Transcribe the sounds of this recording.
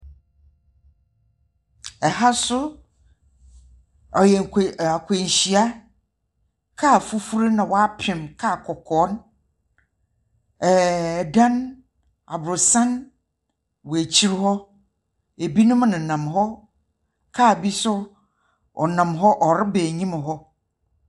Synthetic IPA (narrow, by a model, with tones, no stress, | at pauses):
ɛ˨ɦa˦sʊ˦ | ɔ˨jɛ˨ŋ˨ka˨kʰʷe˨ɲ˨ɕi˨a˦ | kʰaː˦˨fu˦fu˦ɾe˦nã˨wɔ˨a˦pʰɪ̃˨mkʰaː˦˨kʰɔ˨kʰɔː˨˦n | ɛ˨dã˦n | a̰˨bɾʊ˨sã˦n | wɔ˨æ˨t͡ɕʰi˦ɾhɔ˦ | e˨bi˦nʊ̃˦m˦nã˨nã˨mɦɔ˦ | kʰaː˦˨bi˦sʊ˦ | ɔ̰˨nã˨mɦɔ˦ʔɔ˨ɾɪ˦be˨ɲĩ˦mã˨ɦɔ˦